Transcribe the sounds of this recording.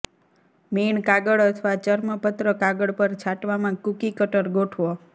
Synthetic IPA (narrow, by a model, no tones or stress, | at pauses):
meɳkaɡəɽət̪ʰʋat͡ʃəɾməpət̪ɾəkaɡəɽpəɾt͡ʃʰaʈʋamãkukikəʈəɾɡoʈʰʋo